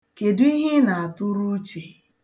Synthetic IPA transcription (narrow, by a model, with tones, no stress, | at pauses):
ke˨dʊ˦i˦ɦɪ˦na˨a˨tʊ˦ɾu˦t͡ʃe˨